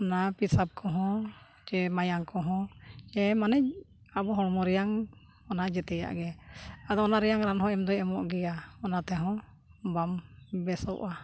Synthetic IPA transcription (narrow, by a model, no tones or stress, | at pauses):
ɔnapisab̚kʰɔɦɔ̃ | t͡ʃɛmajaŋkɔɦɔ̃d͡ʒɛmanɛ | abɔɦɔɽmɔɾɛjaŋ | ɔnad͡ʒɛt̪ɛja̰ʔɡɛad̪ɔɔnaɾɛjaŋɾanɦɔ̃ɛmd̪ɔɛmɔʔɡɛjaɔnat̪ɛɦɔ̃ | bambɛsɔwʔa